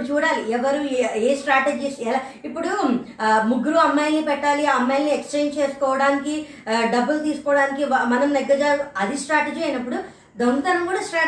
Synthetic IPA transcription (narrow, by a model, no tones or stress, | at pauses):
t͡ʃuːɽaːliɛʋɐɾueːsʈɾaːʈed͡ʒiːsɛlaipːuɽu | muɡːuɾuɐmːɐjlnipɛʈːaːliaɐmːajlniekst͡ʃeːnt͡ʃeːsu̥kɔːʋɐɽaːniki | ɖɐbːɐlt̪iːsu̥kɔːʋɐɽaːnikimɐnɐmnɛɡːɐd͡ʒaːluɐd̪isʈɾaːʈed͡ʒiːɐjnɐpːuɽu | d̪ɐmut̪ɐnɐmkuːɽasʈɾaː